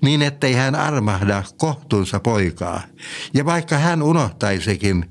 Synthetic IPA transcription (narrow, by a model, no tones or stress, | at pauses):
niːnet̪ːeihænɑ̰rmɑhdɑkoht̪uːnsɑpoikɑ̰ːjɑʋɑikːɑhænunoht̪ɑisekin